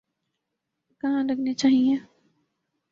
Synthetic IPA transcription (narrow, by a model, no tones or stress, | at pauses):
kɐɦãɾɐɡnet͡ʃaːɦieː